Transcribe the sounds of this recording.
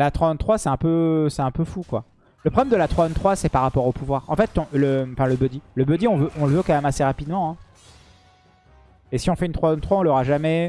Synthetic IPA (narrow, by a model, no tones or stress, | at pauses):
lat̪χwaɛ̃t̪χwasɛɛ̃pøsɛɛ̃pøfukwa | ləpχɔblɛmd̪əlat̪χwaɛ̃nt̪χwasɛpaʁːapɔʁopuvwaʁɑ̃fɛt̪ɔ̃ləɑ̃fɛ̃ləbød̪iləbød̪iɔ̃vøʔɔ̃ləvøkɑ̃mɛmaseʁapid̪mɑ̃ɛ̃ | esiɔ̃fɛynt̪χwaɛ̃nt̪χwaɔ̃lɔʁaʒamɛ